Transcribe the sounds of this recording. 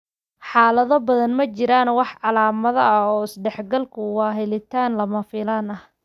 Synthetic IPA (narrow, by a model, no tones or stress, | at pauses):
ħɑːlɐðɐbɐðɐnmɐt͡ʃɪɾaːnwɑħʕɑlaːmɐðɐɐɔːɪsɖɛħɡɐlkʰʊwɑːɦɛlɪt̪ʰaːnlɐmɐfɪlaːnɐh